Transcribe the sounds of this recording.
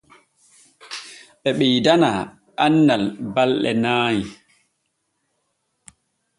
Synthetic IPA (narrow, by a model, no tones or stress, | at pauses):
ɓɛɓijdana | anːalbalɗɛ̰naːji